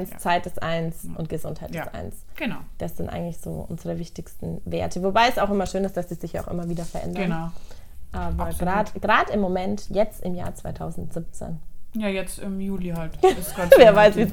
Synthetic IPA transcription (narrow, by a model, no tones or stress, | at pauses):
nst͡saɪt̚d̥ɛsʔa̰ɪnsʔʊntɡ̥əzʊnthaɪtd̥sʔa̰ɪnsɡ̥ənd̥asz̥ɪntʔa̰ɪɡŋ̩tlɪçz̥o̰ːʔʊ̰nzəʁəvɪçtɪçstn̩vḛːɐtʰəvobaɪɛsaʊxʔɪmɐʃøːnɪstd̥asd̥iːzɪçjaaʊxʔɪ̰mɐviːɾɐfɛɐʔɛ̰ndɐn | ʔɛɡ̥ʁaːdɡ̥ʁaːdɪmːomɛntjɛt͡stɪmja̰ːɐt͡sv̥aɪtʰaʊzn̩z̥ɪp̚t͡sḛːnjajɛt͡stɪmjuːlihaltɪsavɛːɐvaɪsviː